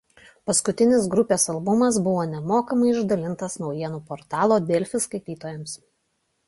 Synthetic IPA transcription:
pɐskʊt̪ʲɪnʲɪs̬ɡɾʊpʲeːsɐlˠbʊmɐsbʊʋoːnʲɛmoːkɐmɐɪɪʒd̪ɐlʲɪnt̪ɐsnɒʊjiɛnuːpoːɾt̪ɑːlˠoːd̪ʲɛːlʲfʲɪskɐɪt̪ʲiːt̪oːjɛms

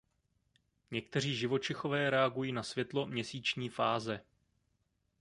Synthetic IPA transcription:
ɲɛk̚t̪ɛr̝iːʒɪvo̞t͡ʃɪxo̞vɛːɾɛaɡujiːnasvjɛt̪lo̞mɲɛsiːt͡ʃɲiːfaːzɛ

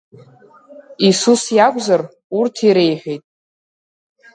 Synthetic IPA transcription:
isusjakʷʼzar | urtʰiɾe̞jħʷᶣejtʼ

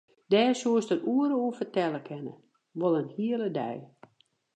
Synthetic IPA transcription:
dɛːsuəstəruəɾəuəfərtɛləkʰɛnə̰ | ʋolˠənhiələdɛ̰j

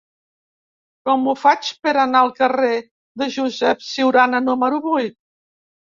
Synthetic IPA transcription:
kɔmufat͡ʃpəɾanaəlˠkəre | ðəʒuzɛpsiwɾanənuməɾuβujt̪̚

